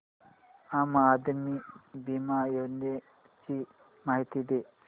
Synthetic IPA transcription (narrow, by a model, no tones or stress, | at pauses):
amaːd̪mibimajone | t͡ʃi | maɦit̪id̪e